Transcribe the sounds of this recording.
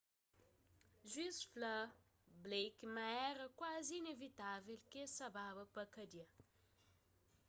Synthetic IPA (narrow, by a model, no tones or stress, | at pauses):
ʒwisflə | blejkmaɛɾəkwazinevit̪avelkesababəpəkɐd̪iɐ